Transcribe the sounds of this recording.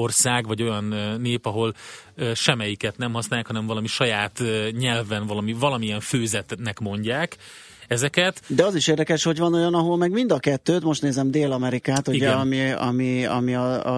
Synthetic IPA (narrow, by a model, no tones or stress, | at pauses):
orsaːɡvɒɟo̞jɒnːeːpɒɦo̞lʃɛmɛjikɛt̪nɛmɦɒsnaːjaːkhɒnɛɱvɒlɒmiʃɒjaːt̪ɲɛlvɛnvɒlɒmivɒlɒmiɛɱføːzɛt̪nɛkmo̞ɲɟaːk | ɛzɛkɛt̪d̪ɛɒziʃeːrd̪ɛkɛʃho̞ɟvɒno̞jɒnɒɦo̞lmɛɡmind̪ɒkɛt̪ːøːt̪mo̞ʃt̪neːzɛmd̪eːlɒmɛɾikaːt̪uiɟɛɛɒmiɒ̰miɒ̰miɒ̰